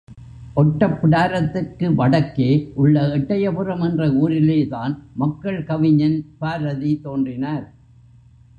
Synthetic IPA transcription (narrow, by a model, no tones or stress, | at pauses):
ʔɔʈːɐpːɪɽaːɾɐt̪ːɪrkɯʋɐɽɐkːeːʔʊɭːɐɛʈːɐjɐpɯrɐmɛndrɐuːɾɪleːðaːnmɐkːɐɭkɐʋɪɲːɐnpaːɾɐðit̪oːndrɪnaːɾ